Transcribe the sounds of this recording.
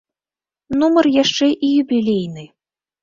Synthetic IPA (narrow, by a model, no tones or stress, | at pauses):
numɐrjaʂt͡ʂɛʔijubʲilʲejnɨ